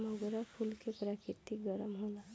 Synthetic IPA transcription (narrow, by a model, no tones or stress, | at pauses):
mɔɡoɾapʰulkepɾakɪt̪iɡəɾəmɦoːla